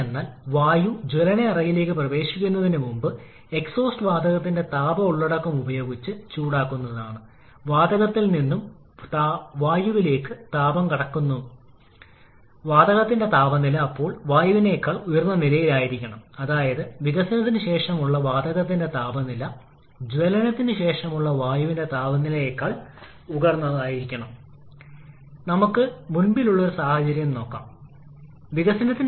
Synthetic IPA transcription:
enːaːlʋaːjud͡ʑelɐneɐrɐjile̞ːkːɨprɐʋe̞ːɕikʲːunːɐðinɨmumbɨ | e̞kso̞ːsʈɨʋaːd̪ɐɣɐt̪ːinde̞t̪aːbɐuɭːɐɽɐkːumubɐjo̞ːɡit͡ɕːɨt͡ɕuːɽaːkːunːɐðaːɳɨ | ʋaːd̪ɐɣɐt̪ːilninːum | t̪ʋaːjuʋile̞ːkːɨt̪aːbɐmkɐɽɐkːunːu | ʋaːd̪ɐɣɐt̪ːinde̞t̪aːbɐnilɐːpːo̞ːɭʋaːjuʋine̞ːkːaːɭujɐrnːɐnilɐjilaːjiɾikʲːɐɳɐmɐðaːjɐðɨʋiɣɐsinɐt̪̬ːinɨɕe̞ːʂɐmuɭːɐʋaːd̪ɐɣɐt̪̬ːinde̞t̪aːbɐnilɐ | d͡ʑʋelɐnɐt̪ːinɨɕe̞ːʂɐmuɭːɐʋaːjuʋinde̞t̪aːbɐnːilɐjeːkːaːɭ | uɣɐrnːɐðaːjiɾikʲːɐɳɐm | nɐmukːɨmunbiluɭːo̞ɾusaːhɐt͡ɕɐɾjɐmno̞ːkːa̰ːm | ʋiɣɐsinɐt̪ːi

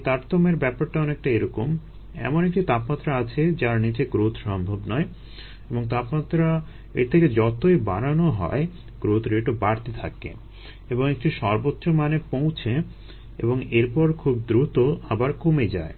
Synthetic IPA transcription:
t̪aɾt̪omeɾbɛpaɾʈaɔnek̚ʈaeɾɔkom | ɛ̰monek̚ʈit̪apmat̪ːɾaat͡ɕʰed͡ʑaɾnit͡ɕeɡɾot̪ʰʃɔmbʱobnɔe | eboŋt̪apmat̪ːɾa | ḛɾt̪ʰeked͡ʑɔt̪oiba̰ɾanoɦɔ̰e | ɡ̥ɾot̪ʰɾeʈobaɾt̪et̪ʰa̰kḛ | eboŋek̚ʈiʃɔɾbotːɕomanepowt͡ɕʰe | ḛboŋeɾpɔɾkʰubd̪ɾut̪oabaɾkomed͡ʑa̰e

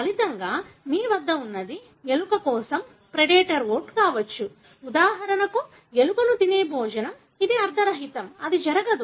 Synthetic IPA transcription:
ɐlit̪ɐŋɡaːmiːʋɐd̪ːɐunːɐd̪i | elukɐkɔːsɐm | pɾeɖeːʈɐɾʋoːɾʈkaːʋɐt͡ʃːu | ud̪aːɦɐɾɐnɐku | elukɐnut̪ineːbʱɔːd͡ʒɐnɐm | id̪iɐɾd̪ʰʱɐɾɐɦit̪ɐmɐd̪id͡ʒɐɾɐɡɐd̪u

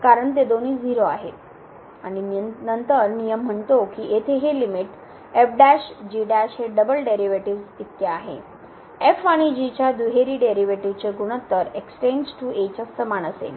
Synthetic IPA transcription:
kaɾəɳt̪̬ed̪oniːd͡ziɾoaɦḛt̪ | aɽ̃inənt̪əɾnijəm̤ːəɳt̪okiʔet̪ʰeɦelimiʈ | efɖæɕd͡ʑiɖæɕɦeɖəbəlɖeɾiʋeʈiʋsit̪ːeaɦḛ | efaɽ̃id͡ʑit͡ɕjad̪uɦeɾiːɖeɾiʋeʈiʋt͡seɡuɽ̃ət̪ːəɾekst͡ɕẽnd͡ʑʈuet͡ɕəsəmaɳ̃əsḛn

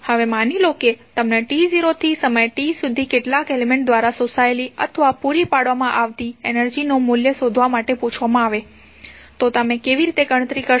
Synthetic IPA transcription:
həʋemaniloket̪əmneʈiziɾot̪ʰisəməjeʈisud̪ʱikeʈlakelemẽɳʈ̚d̪ʋaɾasosaeliə̰t̪ʰʋapuɾipaɽʋamãʔaʋt̪ienəɾd͡ʒinomuljəsod̪ʱʋamaʈeput͡ʃʰʋamãaʋe | t̪ot̪əmẽkeʋiɾit̪eɡəɽ̃ət̪ɾikə

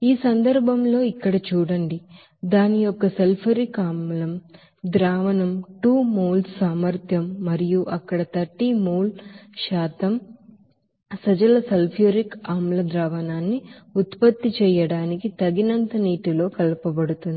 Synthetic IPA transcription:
iːsɐnd̪ɐɾbʱɐmlo̞ːikːɐɽɐt͡ʃuːɽɐɳɖi | d̪aːnijɔkːɐselpʰɐɾikaːmlɐm | d̪ɾaːʋɐnɐmʈuːmuːlssaːmɐɾt̪ʰjɐmːɐɾijuʔɐkːɐɽɐt̪ɐʈːimuːlʃaːt̪ɐm | sɐd͡ʒɐlɐsɐlpʰijoɾikaːmlɐd̪ɾaːʋɐnaːnːiut̪pɐt̪ːit͡ʃɛːjɐɽaːnikit̪ɐɡinɐnt̪ɐniːʈilo̞ːkɐlɐpɐbɐɽut̪und̪i

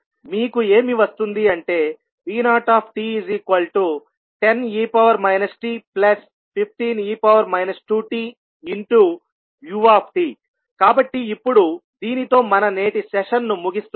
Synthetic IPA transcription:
miːkue̞ːmiʋɐst̪und̪iɐɳʈe̞ː | ʋiːnaːʈaːpʰʈiːiziːkʋɐlʈu | ʈe̞niːpɐʋɐɾmɐjnɐsʈiːplɐs | pʰip̚ʰt̪iːniːpɐʋɐɾmɐjnɐsʈuːʈiː | iɳʈu | juaːpʰʈiː | kaːbɐʈːiːpːuɽud̪iːnit̪o̞ːmɐnɐneːʈisɛʂɐnːumuɡist̪

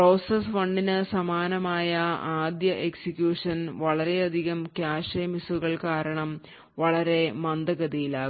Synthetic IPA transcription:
pro̞ːsesʋɐɳɖinɨsɐmaːnɐmaːjɐaːd̪jɐʔeksikjuːʂɐnʋɐɭɐɾe̞ɐd̪ʱiɣɐmkjaːʂɐjɐmisuɣɐɭkaːɾɐɳɐm | ʋɐɭɐɾe̞mɐnd̪ɐɣɐðijilaːɣ

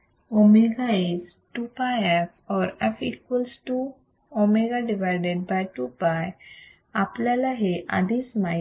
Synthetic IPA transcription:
omeɡais | ʈupajɛfɔɾɛfikwəlsʈu | omeɡaɖiʋajɖeɖ̚bajʈupaj | aplalaɦeʔa̰d̪isma

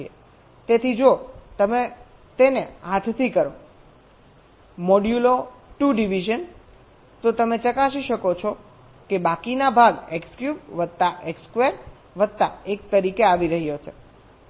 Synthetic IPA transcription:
ḛ | t̪et̪ʰid͡ʒot̪əme | t̪eneɦãt̪ʰt̪ʰikəɾo | mɔɖjuloʈuɖiʋiʒən | t̪ot̪əmet͡ʃəkaʃiʃəkot͡ʃʰɔ | kebakinabʱaɡekskjubʋəd̪̚t̪aʔekskʋeɾ | ʋəd̪̚t̪a̰ek̚t̪əɾikeaʋiɾəɦijot͡ʃʰe

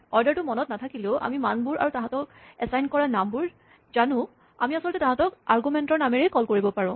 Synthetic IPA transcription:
ɔɹdaɹtʊmɔnɔtnatʰakilʊ̃ʔa̰mimanbuɹa̰ɹutaɦãtɔk̚ɛsajnkɔɹanambuɹ | zanʊ̃ | amiasɔlɔtɛtãɦãtɔkaɹɡumɛntɔɹnamɛɹejkɔlkoɹibɔpaɹɔ̃

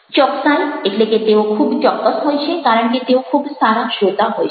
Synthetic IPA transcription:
t͡ɕɔksajekleket̪eokʰubt͡ɕɔkːosɦojt͡ɕʰekaɾoɳkit̪eokʰubʱst̪aɾaʃot̪aɦojt͡ɕʰ

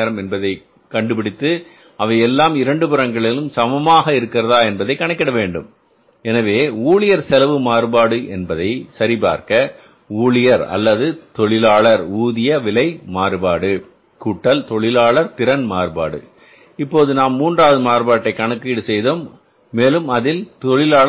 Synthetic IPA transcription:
ɾɐmɛnbɐðɐɪ | kɐɳɖɯpɪɽɪt̪ːɯ | ɐʋɐɪɛlːaːmɪɾɐɳɖɯpɯɾɐŋɡɐɭɪlɯmsɐmɐmaːɣɐɪɾɯkːɪɾɐðaːɛnbɐðɐɪkːɐɳɐɪkːɪɽɐʋeːɳɖɯm | ɛnɐʋeːuːɭɪjɐɾsɛlɐʋɯmaːɾbaːɽɯʔɛnbɐðɐɪsɐɾɪpa̰ːɾkɐ | uːɭɪjɐɾɐ̰lːɐðɯt̪ɔɭɪlaːɭɐɾuːðɪjɐʋɪlɐɪmaːɾɯbaːɽɯ | kuːʈːɐlt̪ɔɭɪlaːɭɐɾt̪ɪɾɐnmaːɾba̰ːɽɯ̰ | ɪpːoːðɯnaːmːuːndraːʋɐðɯmaːɾbaːʈːɐɪkɐɳɯkːiːɽɯsɛjðoːmː | eːlɯmɐðɪlt̪ɔɭɪlaːɭ

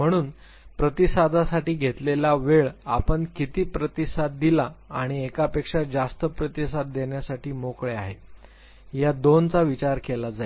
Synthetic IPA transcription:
m̤əɽ̃uːn | pɾət̪isad̪ʱasaʈiːɡʱet̪lelaʋeɭa̰pəɳkit̪iːpɾət̪isad̪̚d̪ilaːɽ̃iekapekʂad͡zast̪əpɾət̪isad̪̚d̪eɳjasaʈiːmokɭeaɦe | jad̪ont͡saʋit͡ɕaɾkelad͡zae

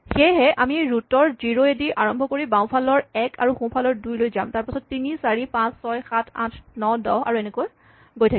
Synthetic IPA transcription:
xejɦɛʔamiɹutɔɹziɹoediʔaɹɔmbʱɔkoɹibãw̃pʰalɔɹɛkʰa̰ɹuxũpʰalɔɹdujlojzamtaɹpasɔtːinisaɹipãsːɔjxatʰã̰tʰnɔdɔɦa̰ɹuɛnekoj | ɡojtʰak

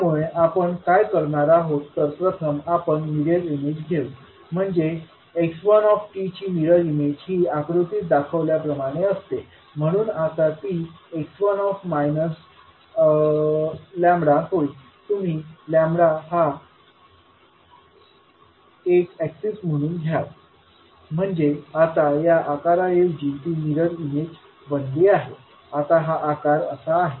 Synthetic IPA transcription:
amuɭeʔapəɳkajkəɾɳaɾaɦot̪ːəɾpɾət̪ʰəmapəɳmiɾjeɾimed͡ʑɡʱeʋ | m̤əɳd͡ʑe | eksʋənɔfʈit͡ɕiːmiɽəɾimed͡ʑɦiːakɾut̪it̪̚d̪akʰəʋljapɾəmaɽ̃eəst̪e | m̤əɽ̃uːnat̪at̪iːeksʋənɔfmajnəs | ljãmbɽaɦoi | t̪um̤iːljãmbɽaɦa | ekæksism̤əɽ̃uːnɡʱjat̪ | m̤əɳd͡zeat̪ajaʔakaɾajed͡ʑit̪iːniɾəɽimed͡ʑ | bənd̪iaɦe | at̪aɦaʔakaɾəsaːɦe

